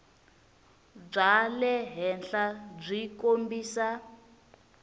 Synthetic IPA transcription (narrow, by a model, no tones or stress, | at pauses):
b͡ʐalɛɦɛnɬab͡ʐʷikombiːsa